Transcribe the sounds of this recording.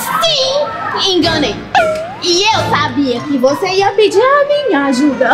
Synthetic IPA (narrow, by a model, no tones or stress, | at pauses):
sĩ | ẽɡɐnej | ɪewsabiɐkɪvoseiɐpɪd͡ʒiɾamĩɲɐaʒud̪ɐ